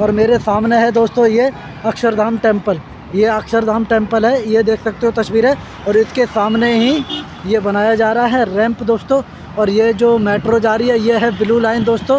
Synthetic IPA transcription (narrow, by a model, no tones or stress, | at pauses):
ɔːɾmeːɾesaːmneɦɛd̪oːst̪õje | ɐkʃəɾd̪ʱaːmʈẽːmpəl | jeɐkʃəɾd̪ʱaːmʈẽːmpəlɦɛjed̪eːkʰsɐk̚t̪eɦũt̪ɐʃwiːɾɦɛ | ɔːɾɪskesaːmneɦi | jebɐnaːjad͡ʒaːɾɐɦaɦɛɾɛ̃ːmpd̪oːst̪õ | ɔːɾjed͡ʒoːmeːʈɾod͡ʒaːɾiɦɛjeɦɛbɪlulaːɪnd̪oːst̪õː